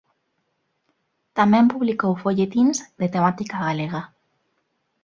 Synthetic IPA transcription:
t̪amɛ̃mpuβlikowfoʎet̪inzd̪et̪emat̪ikaɣaleɣa

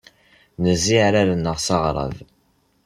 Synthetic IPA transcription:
nəzːiʕɾalənːəʁsɑʁɾˤɑ̰ð

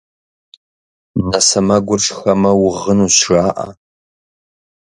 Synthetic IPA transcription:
nɐsɐmɐɡʷʊrʂxɐmɐwʊʁənuɕraːʔa̰

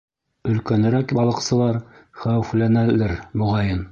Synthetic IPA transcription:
ɵ̆lkænɘ̆ɾækbɑlˠɤ̆qsɤ̆lˠɑɾχæwɘ̆flænælɘɾmuʁɑjɤn

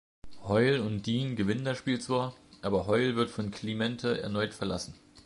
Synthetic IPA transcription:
hɔʏlʊntd̥iːnɡəvɪnəndasʃpiːlt͡sv̥aːɐʔaːbɐɦɔʏlvɪɐtfɔnkʰl̥imɛntʰəʔɛ̰ɐnɔʏtfɛɐla̰sn̩

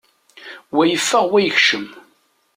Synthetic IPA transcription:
wæjəfːəʁwæjəçʃəm

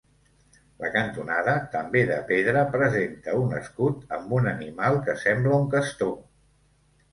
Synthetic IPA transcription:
lə̰kənt̪unaðət̪əmbeðəpeðɾəpɾəzent̪əunə̰skut̪əmbunənimalˠkəsɛmbləuŋkəst̪o

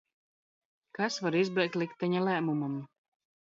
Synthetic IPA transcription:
kasvaɾizbɛjk̚t̪lˠik̚t̪ːɛɲalæːmumam

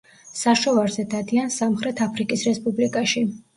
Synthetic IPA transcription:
saʃɔvaɾzɛd̪ad̪iansamχɾɛt̪ʰapʰɾikʼisɾɛspʼublikʼaʃi

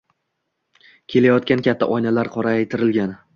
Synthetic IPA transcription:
kʲʰe̞lajɒt̪̚kʲankʲat̪ʰːa̰ʔɒjnalaɾqʰɒɾaːjt̪ʰɪɾɪlɡʲan

